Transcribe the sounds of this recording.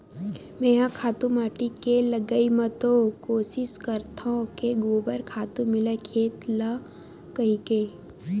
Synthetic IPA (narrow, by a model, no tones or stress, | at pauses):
mẽːɦãkʰaːt̪ũmaːʈikeləɡəimɐt̪okoːsɪskɐɾt̪ʰaõkeɡoːbəɾkʰaːt̪ũmɪlekʰeːt̪la | kɐɦike